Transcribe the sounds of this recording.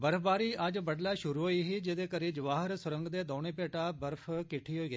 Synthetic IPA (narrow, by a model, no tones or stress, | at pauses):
bəɾfʰbaːɾiːəd͡ʒbəɖlaːʃʊɾuːɦoːiːɦiːd͡ʒed̪eːkəɾiːd͡ʒəʋaːɦəɾsʊɾə̃ŋɡd̪eːd̪ɔːɽ̃eːpeːʈaːbəɾpʰkɪʈʰiːɦoːiːɡəeː